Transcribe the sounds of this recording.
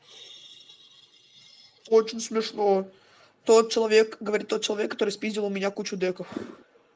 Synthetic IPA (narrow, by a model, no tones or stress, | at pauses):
ot͡ɕɪnʲsmʲɪʂno | t̪ot̪̚t͡ɕɛlˠɐvʲekɡəvɐɾit̪̚ːot͡ɕɛlˠɐvekːɐt̪oɾispʲizʲɪlˠʊmʲɪnʲakut͡ɕʊd̪ɛkəf